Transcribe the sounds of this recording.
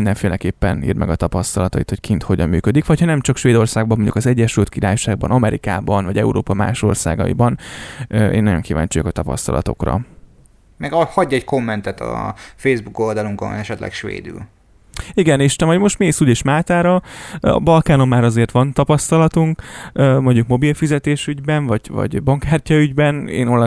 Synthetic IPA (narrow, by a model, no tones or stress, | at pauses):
ind̪ɛɱfeːlɛkeːpːɛnḭːrmʔɛ̰ɡɒt̪ɒpɒst̪ɒlɒt̪ɒḭt̪hockʰint̪ho̞ɟɒmːyːkød̪ikʋɒchɒnɛmt͡ʃɒkʃʋeːd̪o̞rsaːɡbɒmoɲɟṵkɒzɛɟːɛʃylt̪̚kiɾaːjʃaːɡ̚bɒ̰nɒmɛɾika̰ːbɒnvɒɟɛuɾoːpɒma̰ːʃo̞rsa̰ːɡɒ̰ḭbɒn | ʔḛːnɒɟo̞ŋkiːva̰ːɲt͡ʃojokɒt̪ɒpɒ̰st̪ɒ̰lɒ̰t̪o̞̰krɒ̰ | mɛɡɒhɒɟːɒɛcko̞mːɛnt̪ɛt̪ɒ̰fejzbuko̞ld̪ɒluŋko̰nɛʃɛt̪lɛ̰kʃʋḛːd̪y̰l | iɡɛneːʃt̪ɛvɒɟmo̞ʃt̪meːsuːleːʃmaːt̪aːɾɒɒ̰bɒlkaːno̞mːaːɾɒzeːrt̪ʋɒnt̪ɒpɒst̪ɒlɒt̪uŋkømoɲɟukmo̞bilfizɛt̪eːʃyɟbɛɱvɒɟvɒ̰ɟbɒŋkaːrcɒyɟbɛnḛːnol